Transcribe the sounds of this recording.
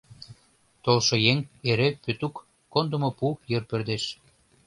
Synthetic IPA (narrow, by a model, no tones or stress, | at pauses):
t̪olʃojeŋeɾepøt̪ukː | ond̪ə̆mopujɤrpø̆rd̪eʃ